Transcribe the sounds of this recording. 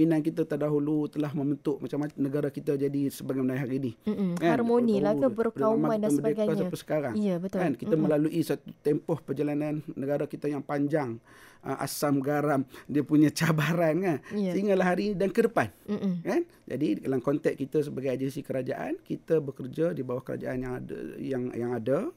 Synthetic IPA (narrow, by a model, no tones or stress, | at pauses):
minankit̪ət̪ərdaɦulut̪əlaɦmə̃mbənt̪ʊʔmat͡ʃamanəɡaɾakit̪əd͡ʒadisəbaɡajmənaɦaɾinikaarmonilabərpəkaumãmandabədeɡakasapəsə̥kaɾaŋijabət̪kankit̪əməlaluʔisat̪ut̪ɛmpɔhpərd͡ʒalananːəɡaɾakit̪əjaŋpaɲd͡ʒaŋ | ʔa̰samɡaɾamdiəpuɲat͡ʃabaɾankansəiŋalaɦaɾinidankədəpan̩kan | d͡ʒa̰didalankɔnt̪ɛk̚kit̪as̬əbaɡajad͡ʒɛnsikəɾad͡ʒaʔa̰nkit̪abəkərd͡ʒadibawahkəɾa̰d͡ʒa̰ʔanjaŋa̰jaŋjaŋada